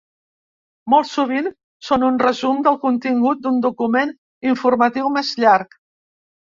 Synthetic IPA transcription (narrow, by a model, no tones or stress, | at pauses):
mɔlˠsuβ̞in | sonunrəzumd̪əlˠkunt̪iŋɡut̪̚d̪und̪ukumen | iɱfurmət̪iwmezʎaɾk